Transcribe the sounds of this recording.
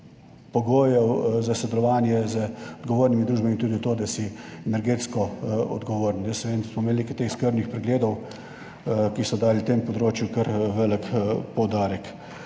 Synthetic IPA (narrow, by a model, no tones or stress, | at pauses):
pɔɡoːjɛwzasɛd̪ɛlɔʋaːnjɛzəɔd̪ɡɔʋoːɾnimid̪ɾuːʒbamint̪uːd̪it̪oːd̪asiɛnɛɾɡeːt̪skɔɔ̰d̪ɡɔʋoːɾnjəsɛʋed̪nsmɔmeːlnekɛt̪eːxskəɾbnixpɾɛɡleːd̪ɔw | kisɔd̪aːlit̪eːmpɔd̪ɾoːt͡ʃjukəɾʋɛːləkpɔwd̪aːɾək